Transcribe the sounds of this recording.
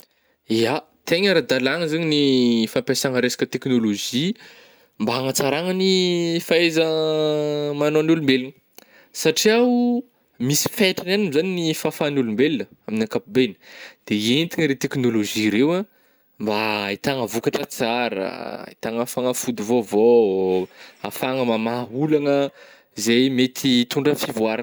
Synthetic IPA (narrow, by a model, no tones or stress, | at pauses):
ia | t̪eɲaɾad̪alaŋəzaɲinifampʲjasaŋəɾesḁkʲət̪eknoloʒi | mbaaŋət͡saɾaŋənifaezə | manoanulumbelinə | saʈ͡ʂiaw | misi̥feʈ͡ʂananimzaninifafanulumbelinəaminakapubenid̪̥eent̪iŋəɾet̪eknoloʒiɾewa | mbait̪aŋəvukaʈ͡ʂət͡saɾə̰ḭt̪aŋafaŋəfud̪uvovo | a̰faŋəmamaɦulaŋə | izejmet̪ʰit̪uɳɖ͡ʐəfivuaɾa